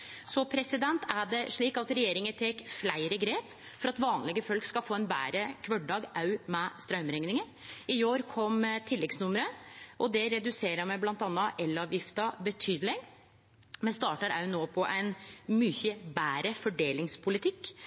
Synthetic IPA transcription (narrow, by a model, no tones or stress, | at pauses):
sɔpʰɾɛsɪd̪ɛnt̪æɖɛʂɭiːkɑt̪ɾɛjeːɾɪŋət̪ʰɛːkflæɪɾəɡɾeːp | fɔɾɑt̪ʋɑːnlɪɡəfɔlkskɑfoːɛnbæ̰ːɾəkʰʋœɖɖɑːɡʔɑʉmɛst̪ɾœʉmɾɛŋnɪŋən | ɪoːɾkʰɔmt̪ʰɪlːɛɡsnʊməɾəʔɔd̪ɛɾɛd̪ʉseːɾəmæblɑnt̪ɑnːəʔɛlːɑːʋjɪft̪əbət̪ʰyːd̪əlɪŋ | mɛnst̪ɑːʈəɾʔɑʉnoːpʰɔʔɛɪnmyːçəbæːɾəfɔɖeːlɪŋspʰʊlɪt̪ʰɪkː